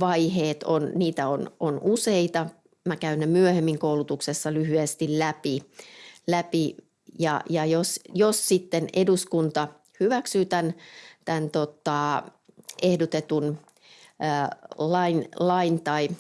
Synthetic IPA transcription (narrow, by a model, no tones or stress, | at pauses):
ʋɑiheːt̪onniːt̪æononuseit̪ɑ | mækæynːemyøhemːiŋkoulut̪uksesːɑlyhyest̪illæpi | læpi | jɑ̰jɑjosjossit̪ːeneduskunt̪ɑ | hyʋæksyːt̪ænt̪ænt̪ot̪ɑ | ehdot̪et̪unː | lɑinlɑint̪ɑi